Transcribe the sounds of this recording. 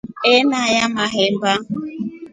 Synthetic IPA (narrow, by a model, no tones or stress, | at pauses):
enajamaɦem̩ba